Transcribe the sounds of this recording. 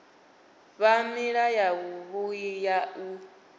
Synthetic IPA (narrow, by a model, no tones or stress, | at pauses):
βamiɺajaβuβujijau